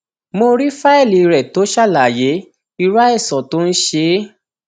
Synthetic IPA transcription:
mo˧ɾi˦fa˦ɛ˦˨li˨˧ɾɛ˨to˨˦ʃa˦˨la˨je˨˦ | i˧ɾa˦ɛ˦˨sɔ˨to˦n̩˦ʃe˧˦

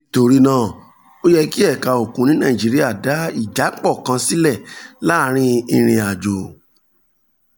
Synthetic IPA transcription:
to˧ɾi˦nãː˦˨ | o˦jɛ˧ki˦ɛ˦˨ka˧o˨kũ˨˦nĩ˦nãː˦˨d͡ʒi˨˦ɾi˦a˦˨da˨˦i˦˨d͡ʒa˨˦k͡pɔ˦˨kã˧si˦lɛ˦˨la˦ɾ̃ĩ˧i˧ɾ̃ĩ˧a˨d͡ʒo˨

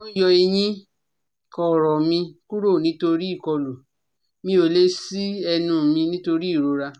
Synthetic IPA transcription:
o˦jɔ˧e˧j̃ĩ˦ | kɔ˨ɾɔ˨mĩ˧ku˦ɾo˦˨nĩ˨˦to˧ɾi˦˨kɔ˧lo˨ | mĩ˧˦o˨le˨˦si˦ɛ˧nũ˧˨mĩ˧nĩ˦to˧ɾi˦˨ɾo˧˦ɾa˧

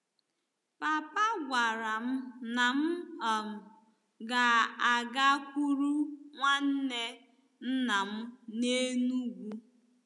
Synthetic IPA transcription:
pa˨pa˦ɡʷa˨ɾa˨m̩˦na˨m̩˦ɔ˨ŋʊ˨ | ɡa˨a˨ɡa˦kʷu˦ɾu˦ŋʷa˦n̩˦ne˦ | n̩˦na˨m̩˦ne˦nu˦ɡʷu˦

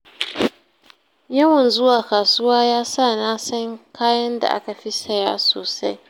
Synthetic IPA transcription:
jɐ˦wɐ˨nzʊ˦waː˨kaː˨sʊ˦waː˦jaː˦saː˦˨naː˦sɐ˦ŋkʰaː˦jɐ˦nda̰˨ʔa̰˦ka˨ɸi˦sɐ˨jaː˦so̰ː˨sa˦j

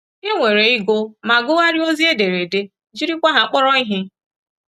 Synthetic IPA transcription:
e˦ŋʷe˨ɾe˨i˦ɡo˦ma˨ɡʊ˦ɣa˦ɾi˦o˦zi˦e˦de˨ɾe˨de˦ | d͡ʒi˦ɾi˦kʷa˦ɦa˨k͡pɔ˦ɾɔ˦i˦ɦɪ˦

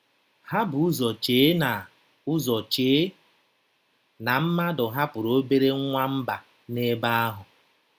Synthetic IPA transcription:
ha˦bʊ˨ʊ˦zɔ˨t͡ʃeː˨e˦na˨ | ʊ˦zɔ˨t͡ʃe˨˦ | na˨m̩˦ma˦dʊ˨ɦa˦pʊ˨ɾo˦be˦ɾe˦ŋʷa˦m̩˦ba˨ | ne˦ba˦a˦ɦʊ˨

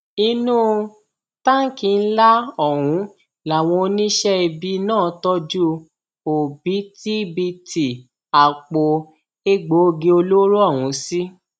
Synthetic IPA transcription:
i˧nũ˦ | ta˦ŋ̩˦ki˧n̩˦la˦ɔ˦˨w̃ũ˨˦ | la˨w̃ɔ̃˧o˧nĩ˦ʃɛ˦i˧bi˧nãː˦˨˦tɔ˦d͡ʒu˦ | o˨bi˨˦ti˦bi˧ti˨ | a˨k͡po˧ | e˦ɡ͡bo˨˦o˧ɡe˧o˧lo˦ɾo˦ɔ˦˨wũ˨˦si˦

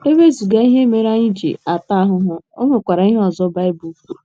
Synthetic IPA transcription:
e˦be˦zu˨ɡa˦i˦ɦe˦me˨ɾa˦ɲi˦d͡ʒḭ˨a˨ta˦ɦʊ˦ɦʊ˦o˦ŋe˨kʷa˨ɾa˨i˦ɦe˦ɔ˨zɔ˦ba˦ɪ˦bu˨˦fu˦˨

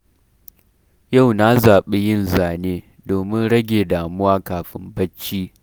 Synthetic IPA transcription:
ja˦˨wna˦zaː˨ɓe˦jɪ˦nzaː˨neː˦ | doː˨mɪ˦nɽɐ˦ɡʲeː˨daː˨mʊ˦waː˦kaː˨ɸɪ̰˦mbɐ˦t͡ʃːiː˦

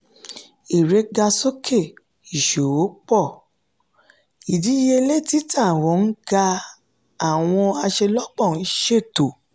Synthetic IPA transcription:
i˨ɾe˨˦ɡa˧so˦kʰe˦˨ | i˨ʃo˨o˨˦k͡pɔ˦˨ | i˨di˨˦je˧le˦˨ti˦tʰa˦˨w̃ɔ̃˨˦˧n̩˦ɡa˧ | a˨w̃ɔ̃˧a˧ʃe˧lɔ˦k͡pɔ˦˨n̩˦ʃe˦˨to˨

